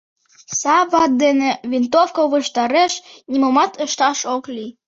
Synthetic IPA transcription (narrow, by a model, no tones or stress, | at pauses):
sɑβɑt̪̚d̪eneβint̪ofkoβəʃt̪ɑɾeʃnʲimomɑt̪əʃt̪ɑʃokli